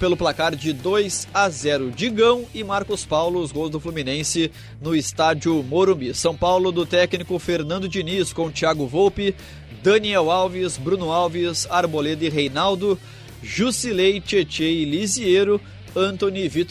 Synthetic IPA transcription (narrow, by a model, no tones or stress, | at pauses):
pelʊplakaɾd͡ʒɪd̪ojzazɛɾʊd͡ʒiɡɐ̃w̃ɪmaɾkʊspawlʊzɡozd̪ʊfluminẽsɪ | nʊɪst̪ad͡ʒiʊmoɾũbisɐ̃w̃pawlʊd̪ʊt̪ɛknikʊfeɾnɐ̃nd̪ʊd͡ʒiniskõw̃t͡ʃiaɡʊvowpɪ | d̪ɐniɛwawvɪsbɾũnʊawvɪsaɾboled̪ʊɪɦejnawd̪ʊ | ʒusilejt͡ʃet͡ʃelizieɾʊ | ɐ̃nt̪õnivit̪